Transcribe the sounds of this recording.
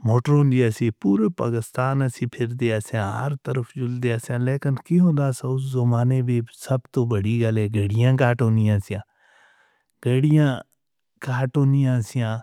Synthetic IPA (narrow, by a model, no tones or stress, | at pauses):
moːʈɾoːnd̪iːasĩːpuːɾepa̰ːkɪst̪aːnəsĩːpʰɪɾd̪eːaːsjãːɦəɾt̪əɾəpʰd͡ʒʊld̪eːasjãːleːkɪnkiɦõːnd̪aːsaːʊszəmaːneːbiːsəbt̪oːbəɽiːɡəlɛːɡəɽɪjãːk̬aːʈõːnd̪ɪjãːsɪjãː | ɡəɽɪjãː | kaːʈõːnd̪ijãːsɪjãː